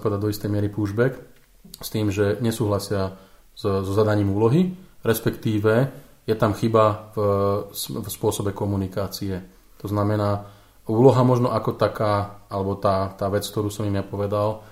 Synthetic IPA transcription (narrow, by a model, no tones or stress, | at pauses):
pɔʋɛd̪aɟd̪ɔist̪ɛjmɪɛɾipuːʒbɛk | st̪iːmʒɛɲɛsuːɦlasɪa | zzɔzad̪aɲiːmuːlɔɦiɾɛspɛkt̪iːʋɛ | jɛt̪amxiba | fspʊɔsɔbɛkɔmunikaːt͡siɛ | t̪ɔznamɛnaː | uːlɔɦamɔʒnɔʔakɔt̪akaːalɛbɔt̪aːt̪aːʋɛt͡sk̚t̪ɔɾuːsɔmimjapɔʋɛd̪al